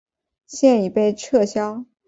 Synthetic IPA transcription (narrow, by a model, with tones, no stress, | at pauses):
ɕjɛ˥˩ni˨˩pe˥˧ɪʈ͡ʂʰɤ˥˩ɕjɑ˥ʊ